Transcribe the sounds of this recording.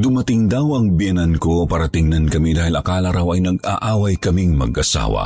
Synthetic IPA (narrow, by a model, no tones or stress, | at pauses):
d̪ʊmɐt̪ɪŋd̪awɐŋbɪjɛnɐnko̞paːɾɐt̪ɪŋnɐnkɐmid̪aːhɪlɐkaːlɐɾawɐjnɐɡ̚aʔaːwɐjkɐmiŋmɐ̰ɡʔɐsa̰ːwɐ̰